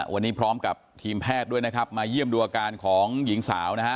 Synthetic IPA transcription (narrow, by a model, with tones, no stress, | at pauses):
wʔa˧nːiː˦˥pʰɾɔː˦˥mka˨˩p̚t̪ʰiː˧mpʰɛː˥˩t̪̚du˥˩jna˦˥kʰa˦˥p̚maː˧ji˥˩əmduː˧ʔaː˧kaː˧nkʰɔː˩˦ŋji˩˦ŋsaː˩˦wna˦˥kʰa˦˥